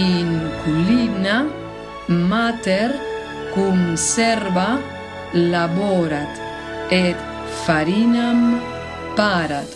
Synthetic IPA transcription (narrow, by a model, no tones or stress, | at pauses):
iŋkulina | mat̪ɛɾ | kumsɛɾba | labɔɾat̪ | et̪ | faɾinam | paɾat̪